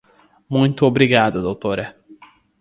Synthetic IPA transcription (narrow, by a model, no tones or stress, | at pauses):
mũj̃t̪ʊobɾiɡad̪ʊd̪owt̪oɾɐ